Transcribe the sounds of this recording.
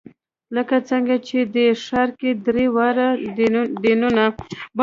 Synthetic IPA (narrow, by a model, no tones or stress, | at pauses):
ləkat͡səŋɡat͡ʃed̪eʂaɾked̪ɾewaɾad̪enunab